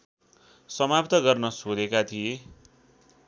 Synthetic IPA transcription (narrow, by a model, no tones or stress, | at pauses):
sʌmapt̪ʌɡʌrnʌsod̪ekat̪ʰie